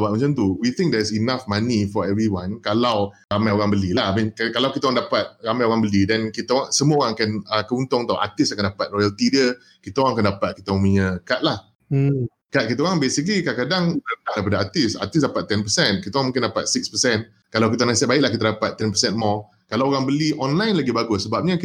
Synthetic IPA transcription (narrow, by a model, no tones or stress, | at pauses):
baʔmət͡ʃamt̪uwit̪ɪ̃ŋk̚dɛsinafmanifɔɛvɾiwãnkalawɾamãjoɾãŋbəlilahamĩnkkalawkit̪aoɣaŋdapat̪̚ɣamajoɣaŋbəlidɛnkit̪aɣaŋsəmuəoɾaŋkɛnəkəunt̪ɔŋt̪awʔa̰t̪ɪsakandapat̪̚lɔjalt̪idjə | kit̪aoɣãŋakandapat̪̚kit̪aɔmiɲəkat̪̚lah̩ | kat̪̚kit̪̬aoɣaŋbesikəlikakadaŋt̪at̪aŋdajpadaat̪ɪsa̰t̪ɪs̬dapat̪ːɛnpəsɛ̃nkit̪aoɣãŋmũŋkɪndapa̰t̪̚sik̚spəsɛn | kalawkit̪anãsɛt̪̚baɪʔ̚lahkit̪adapat̪ːɛnpəsɛnmɔ | kalawoɾaŋbəliʔɔnlajnlaɡibaɡʊssəbap̚ɲa